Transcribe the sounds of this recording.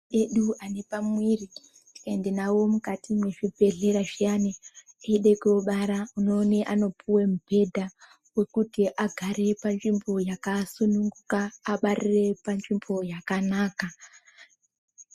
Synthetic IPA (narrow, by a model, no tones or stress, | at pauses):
eɗuʔane̞pamwiri | ti̥kae̞ndenawo̞mukatimwe̞ʐibʱe̞ɮe̞ɾaʐijane | eiɗekoɓaɾauno̞ːneʔano̞puwemub̥ʱe̞dʱa | we̞kutiʔaɡʱaɾe̞panʐimbo̞jakasunuŋɡukaːɓarire̞panʐimbo̞jakanaːka